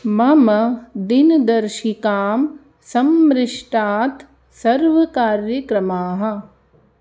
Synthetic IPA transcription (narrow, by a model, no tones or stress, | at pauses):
mɐmɐd̪ind̪ɐɾʃikaːm | sɐmɾɪʂʈaːt̪ | sɐɾʋɐkaːɾjɐkɾɐmaːɦɐ̆